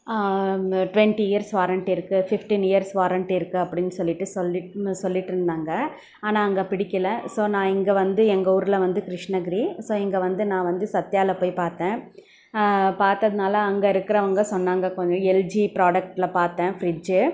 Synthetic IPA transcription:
ʈʋɛɳʈiɪjɐɾsʋaːɾɐɳʈɪɾɯkːɯfɪfʈinɪjɐɾsʋaːɾɐɳʈɪɾɯkːɯɐpːɐɽɪnːɯsɔlːɪʈːɯsɔlːɪsɔlːɪʈːɯɾɯnd̪aːŋɡɐ | aːnãːɐŋɡɐpɪɽɪkʲːɐlẽsoːnãːɛŋɡɐʋɐnd̪ɯɛŋɡɐuːɾɯlɐʋɐnd̪ɯkɪɾɪʂnɐɡɪɾisoːɛŋɡɐʋɐnd̪ɯnãːʋɐnd̪ɯsɐt̪ːɪjaːlɐpoːjpaːɾt̪ẽː | paːɾt̪ɐðɯnaːlɐːŋɡɐɪɾɯkːɪɾɐʋɐŋɡɐsɔnːaːŋɡɐkɔɲd͡ʒɔ̃ɛld͡ʒipɾaːɽɐk̚ʈlɐpaːɾt̪ẽːfɾɪd͡ʒɯ

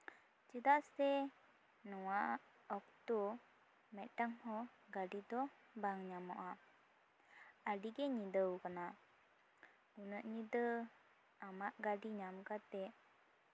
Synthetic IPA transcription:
t͡ʃid̪aʔsɛ | nuwaʔ | ɔk̚t̪u | mɛʔʈaŋhɔɡadid̪ɔ | baŋɲamɔ̰ʔa | adiɡeɲid̪əwkənaʔ | unəʔɲid̪ə | amaʔɡadiɲamkat̪ɛʔ

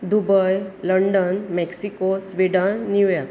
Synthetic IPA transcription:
d̪ubəjləɳɖənmɛksikosʋiɖənːjuja

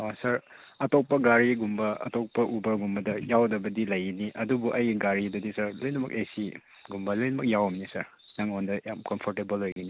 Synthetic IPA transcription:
asɐɾɐtok̚pɐɡaɾiɡumbɐɐ̰tok̚pɐʔubɐɡumbɐdɐjawdɐbɐdilɐjiniʔɐdubuʔɐjɡiɡaɾidɐdisɐɾlojnɐmɐk̚esi | ɡumbɐlojnɐmɐk̚jawɐmnisɐɾ | naŋondɐjamkɐmpʰoɾtebelhojɡini

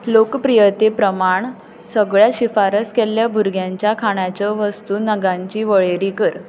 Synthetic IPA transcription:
lokpɾijət̪epɾəmaɳ | səɡɭjaɕifaɾəskɛlːjabʱuɾɡjãɲt͡ɕjakʰaɳ̃jat͡ɕəʋəst̪uːnəɡãɲt͡ɕiːʋəɭeɾiːkəɾ

